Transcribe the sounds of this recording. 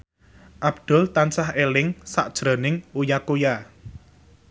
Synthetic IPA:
ʔabd̪̥ʊ̤lt̪ansaɦelɪŋsaʔd̥ʒ̥ɾo̤nɪŋujakoja

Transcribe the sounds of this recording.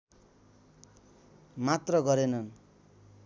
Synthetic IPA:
mat̪rʌɡʌɾenʌn

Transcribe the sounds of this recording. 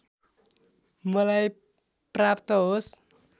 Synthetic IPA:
mʌlaj | prapt̪ʌɦos

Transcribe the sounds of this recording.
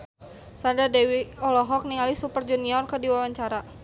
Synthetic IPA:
sandadɛwiɔlɔɦɔk̚niŋalisupərd͡ʒuniɔrkədiwawaɲt͡ʃaɾa

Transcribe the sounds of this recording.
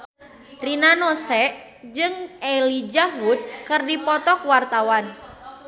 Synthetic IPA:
rinanɔsɛʔ | d͡ʒɨŋelid͡ʒaɦud̪̚kɨrdipɔt̪ɔkwart̪awan

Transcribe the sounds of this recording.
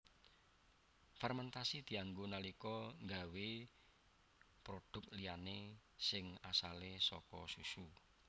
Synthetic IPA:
fɛrmɛnt̪asid̪̥i̤aŋɡunalikɔŋɡawe | pɾoɖ̪̥ʊ̤k̚lijanesɪŋasalesɔ̰kɔ̰susu

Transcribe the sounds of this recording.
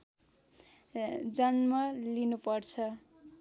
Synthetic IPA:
d͡zʌnmʌlinupʌrt͡sʰʌ

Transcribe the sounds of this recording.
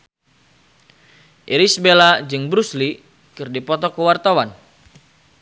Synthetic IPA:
ʔiɾisbelad͡ʒɨŋbɾusli | kɨrdipɔt̪ɔkəwart̪awan

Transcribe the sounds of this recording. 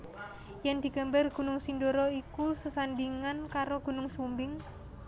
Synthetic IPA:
jɛnd̪̥i̤ɡ̥a̤mbarɡ̥ṳnʊŋsindoɾɔikusəsandiŋankaɾoɡ̥ṳnʊŋsumbɪŋ

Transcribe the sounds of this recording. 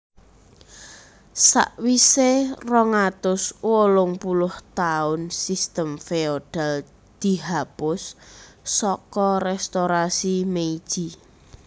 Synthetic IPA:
sa̰ʔwiserɔŋat̪ʊswolʊŋpulʊht̪aʊnsist̪əmfeoɖ̥al | d̪̥i̤ɦapʊsː | ɔkɔrɛst̪oɾasimeid̥ʒ̥i

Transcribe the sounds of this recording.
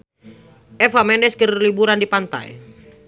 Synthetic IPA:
ʔɛfamɛndɛskərlibuɾandipant̪a̰j̰

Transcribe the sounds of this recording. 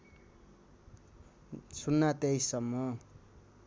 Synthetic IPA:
sunːat̪ejsʌmːʌ

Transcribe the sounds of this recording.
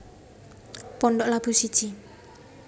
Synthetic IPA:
pɔnɖɔʔlab̥ṳsid̥ʒ̥i

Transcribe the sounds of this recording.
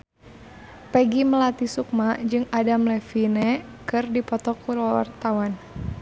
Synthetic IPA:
pɛɡiməlat̪isuk̚mad͡ʒɨŋadamlɛfinɛ | kɨrdipɔt̪ɔkulɔwa̰rt̪awan

